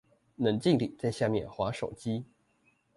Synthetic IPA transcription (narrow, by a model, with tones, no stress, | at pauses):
nə˨˧˥nt͡ɕi˥˧ŋlḭ˨˩˦t͡sa˥˧ɪɕja˥˧mjɛ˥˩nxwa˧˥ʂo˨˩ʊt͡ɕi˥